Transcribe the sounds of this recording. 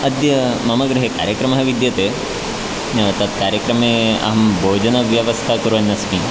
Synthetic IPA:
ɐd̪jɐmɐmɐɡɾɐɦeka̰ːɾjɐkɾɐmɐɦɐʋid̪jɐt̪eː | nɐʋɐt̪ɐt̪̚kaːɾjɐkɾɐmeːɐ̰ɦɐmbʱoːd͡ʒɐnɐʋjɐʋɐst̪ʰakuɾuʋɐnːɐsmi

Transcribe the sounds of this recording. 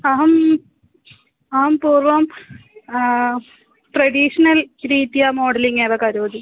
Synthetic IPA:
ɐɦɐm | ɐɦɐmpuːrʋɐm | ʈrɐɽiːʂɐnɐlɾiːt̪ːijaːmoːɽɐliŋːeːðɐkːɐɾoːd̪i

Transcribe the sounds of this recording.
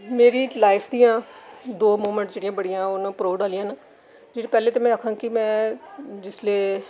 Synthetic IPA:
meːɾiːlaːɪpʰd̪iːãːd̪oːmoːmɛ̃ɳʈsd͡ʒeːɽijãːbəɽijãːʊnãːpɾoːʋɖaːlɪjãːn | d͡ʒeːɽeːpɛːleːt̪eːmɛ̃ːəkʰãːkɪmɛ̃ːd͡ʒɪsleː

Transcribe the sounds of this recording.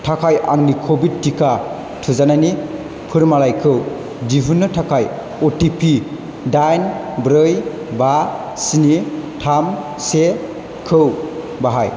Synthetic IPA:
tʰakʰajʔa̰ŋnikʰobid̚tːikʰa | tʰɯzanani | pʰɯɾmalajkʰɯw | d͡ʒiɦunːɯtʰakʰaj | ɔtipʰi | dajnbɾɯj | ba | sinitʰam | se | kʰɯw | baɦaj

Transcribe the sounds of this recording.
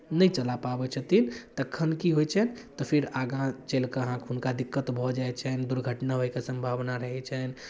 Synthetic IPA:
nəjt͡ʃəlapabɛt͡ʃʰət̪int̪əkʰːənkiɦojt͡ʃʰɛnt̪ɔpʰiɾaɡãt͡ʃelkeəɦãkɦunkad̪ikːət̪bʱɔd͡ʒaet͡ʃʰɛnd̪uɾɡʱəʈnaɦojkesə̃mbʱabnaɾəɦɛt͡ʃʰɛn

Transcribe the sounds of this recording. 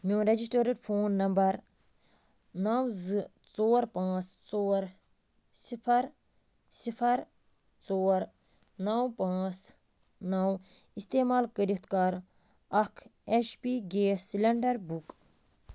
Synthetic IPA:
mĩɾed͡ʒis̬ʈəːɾiɖpʰoːnːɐmbɐɾ | nɐwzɨ | t͡soːɾpãːt͡st͡soːɾ | sipʰɐɾ | sipʰɐɾ | t͡soːɾ | nɐwpãːt͡s | nɐw | ist̪eːmaːlkəɾit̪ʰkɐɾ | ɐkʰet͡ʃpiɡeːsilɐɳɖɐɾbuk

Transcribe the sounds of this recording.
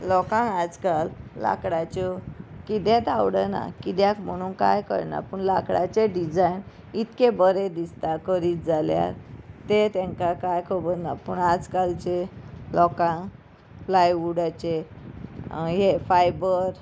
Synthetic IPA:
lɔkãŋɡad͡zkalːa̰kɽat͡ɕɔkid̪ɛ̃t̪awɽəna̰kid̪jakm̤əɽ̃uːnka̰jkə̰ɾna̰pəɳlakɽa̰t͡ɕeɖid͡zajn | it̪kebəɾed̪ist̪akəɾiːt̪̚d͡zʱalja̰ɾt̪et̪ɛ̃ŋkakajkʰəbənapəɳad͡zkalt͡ɕelɔkãŋ | flajʋuɽat͡ɕe | ɦefajbəɾ

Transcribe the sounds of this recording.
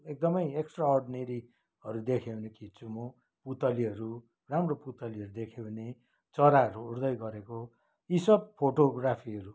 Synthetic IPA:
ek̚d̪ʌmʌjeksʈraorɖineɾi | ɦʌɾud̪ekʰewnekit͡sumo | put̪ʌliɦʌɾu | ramroput̪ʌliʌɾud̪ekʰewne | t͡sʌɾaɦʌɾuuɾd̪ʌjɡʌɾeko | isʌb̚pʰoʈoɡrapʰiɦʌɾu

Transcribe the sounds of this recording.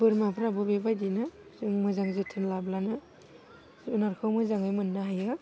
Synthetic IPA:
b̥ɯɾmapʰɯɾabɯbebajdinɯmɯzaŋzetʰɯnlablanɯ | unaɾkʰɯwmɯzaŋɯjmɯnːɯɦajɯ

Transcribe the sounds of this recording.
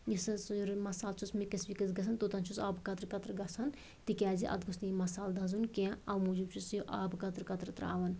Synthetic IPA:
jisɐsɾmɐsaːlt͡ʃʰusmikɐsʋikɐzɡɐsʰɐnt̪ot̪ɐnt͡ʃʰusaːbkɐt̪ɾkɐt̪ɾɡɐsʰɐn | t̪ikʲaːziʔɐ̰t̪̚ɡusnijimɐsaːld̪ɐzunkẽɐwmud͡ʒub̚t͡ʃʰusjiʔaːbkɐt̪ɾkɐt̪ɾt̪ɾa̰ːʋɐn

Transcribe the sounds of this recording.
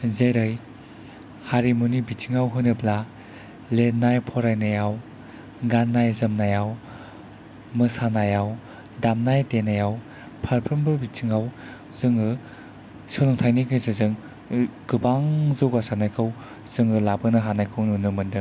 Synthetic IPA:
zejɾɯj | haɾimunibit͡ʃʰiŋawɦɯnɯpla | lenajpʰɔɾajnajaw | ɡanːajzɯmnajaw | mɯsanajaw | damnajtenajaw | pʰaɾpʰɯmbɯbit͡ʃʰiŋaw | zɯŋɯ | sɔlɔŋtʰajniɡɯzɯzɯŋ | ɡ̥ɯbaŋzɯwɡasanajkʰɯw | z̥ɯŋɯlabɯnɐɦanajkʰɯwnunɯmɯndɯ

